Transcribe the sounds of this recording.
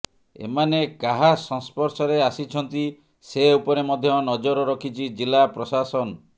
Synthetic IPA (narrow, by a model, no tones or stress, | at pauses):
ḛmanekaɦasɔ̃ŋspɔɾsɔɾeasit͡ʃʰɔnt̪i | seupɔɾemɔd̪ʱjɔnɔd͡ʒɔɾɔɾɔkʰit͡ʃʰid͡ʒilːapɾɔsasɔn